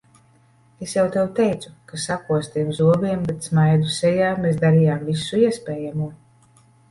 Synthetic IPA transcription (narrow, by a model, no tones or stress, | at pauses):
esjawt̪ɛwt̪ɛjt̪sukasakuɔst̪iɛmzuɔbiɛmbet̪smajd̪usɛjaːmeːs̬d̪aɾijaːmvisuiɛspʲeːjamuɔ